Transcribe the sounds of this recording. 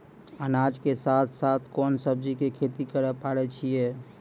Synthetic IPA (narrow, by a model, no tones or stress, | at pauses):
ənad͡ʒkesat̪ʰsat̪ʰkɔnsəb̚d͡ʒikekʰet̪ikəɾəpaɽɛt͡ʃʰije